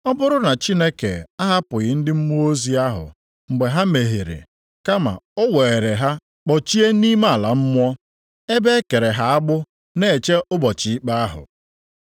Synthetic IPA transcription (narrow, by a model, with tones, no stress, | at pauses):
ɔ˦bʊ˦ɾʊ˦na˨t͡ʃi˦ne˦kḛ˨a˦ɦa˦pʊ˨ɣɪ˦n̩˦dɪ˦m̩˦mu˦o˦zi˦a˦ɦʊ̰˨ | ŋ͡m̩˨ɡ͡be˨ɦa˦me˨ɦe˨ɾḛ˨ | ka˦ma̰˨ʊ˦we˨ɾe˨ɦa˦ | k͡pɔ˨t͡ʃi˦e˦ni˦ma˦a˨la˨m̩˦mʷ˦ɔ˦ | e˦be˦e˦ke˨ɾe˨ɦa˦a˦ɡ͡bʊ˦ | ne˦˨e˨t͡ʃe˦ʔʊ˦bɔ˨t͡ʃɪ˨i˦k͡pa˦a˦ɦʊ̰˨